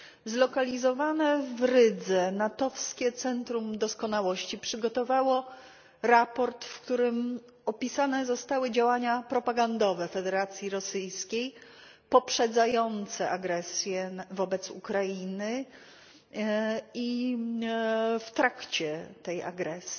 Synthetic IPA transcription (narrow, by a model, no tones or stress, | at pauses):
zlɔkalʲizɔvanɛvɾɘd̪zɛnat̪ɔfskʲɛt̪sɛnt̪ɾumd̪ɔskɔnawɔɕt͡ɕipʂɘɡɔt̪ɔvawɔ | ɾapɔɾt̪fkt̪uɾɘm | ɔpʲisanɛzɔst̪awɘd͡ʑawaɲapɾɔpaɡand̪ɔvɛfɛd̪ɛɾat̪sʲjiɾɔsɘjskʲej | pɔpʂɛd̪zajɔnt̪sɛʔaɡɾɛsjɛvɔbɛt̪sṵkɾajinɘ | i | ft̪ɾakt͡ɕɛt̪ɛja̰ɡɾɛsi